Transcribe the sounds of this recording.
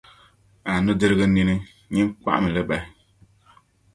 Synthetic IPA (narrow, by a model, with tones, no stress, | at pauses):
a˨nu˦dɨ˦ɾɨ˦ɣɨ˦ni˦nɨ˦ | ɲi˦m˦ka̰˦ʔa̰˦mɨ˨lɨ˦ba˨˦